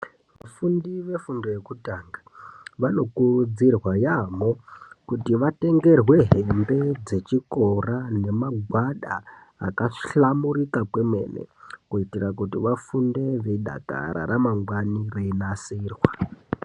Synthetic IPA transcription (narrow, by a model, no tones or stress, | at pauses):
ʋafundiʋe̞fundo̞jekutaːŋɡaʋano̞kud͡zirwajamo̞kutiʋate̞ŋɡe̞rwe̞ɦembe̞d͡ze̞t͡ʃiko̞rane̞maɡʱwaɗaː | kaɬamuɾikakwe̞mwe̞̰nḛkuitirakutiʋafunde̞ʋeɗa̰ka̰ɾa̰ɾamaŋɡwanireinasiːrwa